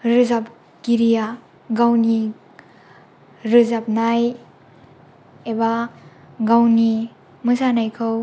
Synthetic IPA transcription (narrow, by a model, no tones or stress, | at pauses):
ɾɯzap̚ | kiɾija | ɡawni | ɾɯzap̚naj | eba | ɡawni | mɯsanajkʰɯw